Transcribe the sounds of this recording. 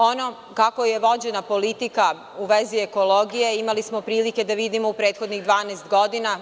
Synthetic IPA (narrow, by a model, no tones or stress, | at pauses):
ono | kakojeʋo̞d͡ʑe̞napo̞lit̪ika | uʋezieko̞lˠoɡije̞imalismo̞pɾiːlike̞d̪aʋid̪imo̞upɾeːt̪xo̞d̪niɣd̪ʋaːnest̪ɡo̞d̪ina